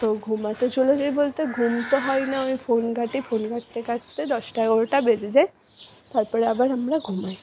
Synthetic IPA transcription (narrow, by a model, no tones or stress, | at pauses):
t̪oɡʱumat̪ed͡ʒulɔzajbolt̪eɡʱumt̪ɔɦɔjnaojpʰonɡʱaʈipʰonɡaʈit̪eɡatt̪ed̪ɔsʈaoɹʈabezizaj | t̪aɹpɔɹɛabaɹamɹaɡʱumaj